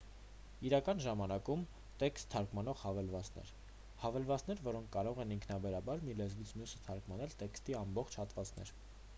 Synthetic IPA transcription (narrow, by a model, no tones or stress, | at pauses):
iɾɑkɑnʒɑmɑnɑkum | t̪ɛkst̪ʰːɑɾkmɑnɔʁhɑvɛlvɑt͡sn̪ɛ̰ɾ | hɑvɛlvɑt͡snɛɾvɔɾɔŋkʰkɑɾɔʁɛniŋkʰnɑbɛɾɑbɑɾmilɛzvit͡sʰmjusə̥t̪ʰɑɾkmɑnɛlt̪ɛkst̪iɑmbɔχt͡ʃʰhɑt̪vɑt͡snɛ̰ɾ